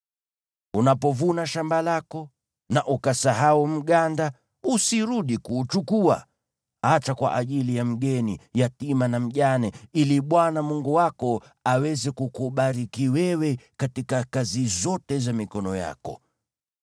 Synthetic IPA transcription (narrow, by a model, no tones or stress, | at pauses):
unapɔvunaʃambalakɔ | naʔukasaɦaum̩ɠanda | usiɾuɗikuːt͡ʃukua̰ | hat͡ʃakwa̰ʔaʄilijam̩ɠɛnijatimanam̩ʄanɛiliɓwanamuŋɡuwakɔ | awɛzɛkukuɓaɾikiwɛwɛkatikakazizɔtɛzamikɔnɔja̰kɔ̰